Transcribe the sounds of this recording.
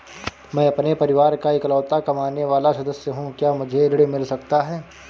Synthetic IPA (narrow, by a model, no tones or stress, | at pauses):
mɛ̃ːɐpnepɐɾɪʋaːɾkaɪklɔːt̪akɐmaːneʋaːlasɐd̪əsjəɦũkjaːmʊd͡ʒʱeɪɾɽimɪlsɐkt̪aɦɛː